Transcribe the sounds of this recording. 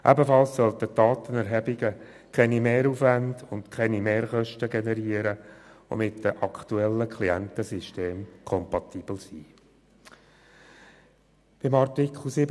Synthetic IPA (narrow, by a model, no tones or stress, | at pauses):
ʔæ̰bəfɑlssœlt̪ətdɑːt̪ənɛɾɦɛbɪɡə | kʰɛnimeːɾuːfʋændʊndkʰɛnimeːɾχœʃtəɡenɛɾiəɾəo̰mɪtdəʔɑkt̪uɛlːəkʰliɛntəsiʃteːmkʰɔmpɑtiːb̥l̩siː | b̥ɪmɑrtikχl̩ˠsɪb